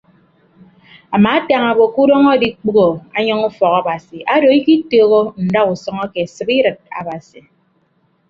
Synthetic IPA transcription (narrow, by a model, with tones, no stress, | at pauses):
a˨maː˨a˦ta˨ŋa˨bo˨ku˦ɾɔ˦ŋɔ˦di˦k͡pu˦ɣo˨a̰˦ɲɔ˦ŋu˦fɔ˨ɣa˦ba˨si˨ʔa˦do˨˦i˦ki˦toː˨ɣo˦n̩˨da˦u˨sɔ˦ŋɔ˦ke˨sɨ˨pi˦ɾɨ˨t̚a̰˨ba˨si˨